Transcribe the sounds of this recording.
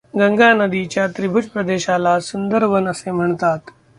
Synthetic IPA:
ɡəŋɡanəd̪it͡ɕjat̪ɾibʱud͡ʑpɾəd̪eɕalasund̪əɾbənəsem̤əɳt̪at̪

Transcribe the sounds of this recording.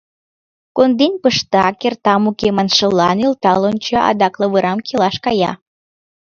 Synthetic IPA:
kond̪enʲpəʃt̪ɑkert̪ɑmukemɑnʃəlːɑnylt̪ɑlont͡ɕəʔɑ̰d̪ɑkləβəɾɑmkelɑʃkɑjɑ̰

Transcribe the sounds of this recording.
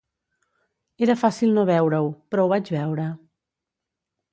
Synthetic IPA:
eɾəfasilˠnoβ̞ɛwɾəwpɾɔwβad͡ʒβɛwɾə

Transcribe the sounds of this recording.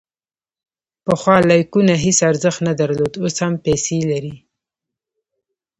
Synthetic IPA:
pəxwɑlɑjkunaɦesaɾzəxt̪nad̪aɾlod̪oshampɛselaɾi

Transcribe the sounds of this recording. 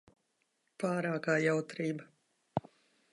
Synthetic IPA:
paːɾaːkaːjawt̪ɾiːba

